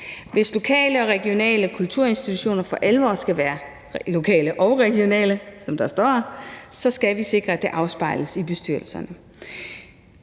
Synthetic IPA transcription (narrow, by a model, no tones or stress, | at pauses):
ʋe̝slo̝kʰɛ̰ːləɒ̽ʁɛɡ̥ijo̝nɛ̰ːləkʰult͡sʰuɐ̰e̝nsd̥it͡sʰuɕo̝̰ːnɐfɒ̽ʔælʋɒ̰ːsɡ̥æʋæːɐ | lo̝kʰɛ̰ːləʔɒ̽ʊʁɛɡ̥io̝nɛ̰ːləsɒ̽md̥ɑ̈sd̥ɒ̰ːsɒ̽sɡ̥æʋise̝ɡ̥ʁɐæd̥e̝ʔɑ̈ʊsb̥ɑ̈ɪ̰ləsib̥e̝sd̥yɐ̰l̩sɐnə